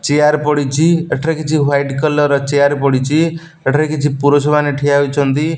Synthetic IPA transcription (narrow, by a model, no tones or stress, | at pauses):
t͡ʃejaɾpɔɽit͡ʃʰieʈʰɾekit͡ʃʰiwajɖkɔlɔɾɔt͡ʃejaɾpɔɽit͡ʃʰi | eʈʰɾekit͡ʃʰipuɾɔsɔbaneʈʰiait͡ʃʰɔnt̪i